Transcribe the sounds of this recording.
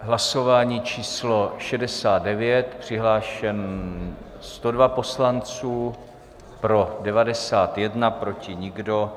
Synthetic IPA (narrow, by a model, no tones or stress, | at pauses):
ɦlaso̞vaːɲiːt͡ʃiːslo̞ʃɛdɛsaːd̪̚dɛvjɛt̪pr̝̥ɪɦlaːʃɛn | st̪o̞dvapo̞slant͡suː | pɾo̞dɛvadɛsaːt̪jɛdnapɾo̞cɪɲɪɡdo